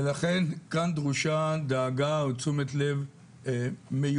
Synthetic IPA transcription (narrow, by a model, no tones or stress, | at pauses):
elaχe̞nkandʁuʃad̪aːɡaot͡sumet̪lev | emeju